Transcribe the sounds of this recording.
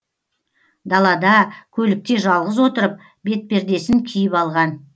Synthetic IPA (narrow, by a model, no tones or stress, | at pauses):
d̪ɑlˠɑd̪ɑkʲʰɵlɪk̚t̪e̞ʒɑlˠʁəzwo̞t̪əɾəp̚ | be̞t̪̚be̞ɾd̪e̞sɪŋkʲʰijɪpɑlˠʁɑn